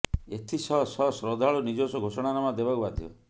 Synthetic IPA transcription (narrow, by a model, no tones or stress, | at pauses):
et̪ʰisɔsɔsɾɔd̪ʱaɭunid͡ʒosɔɡʱosɔɽ̃anamad̪ebakubad̪ʱjɔ̰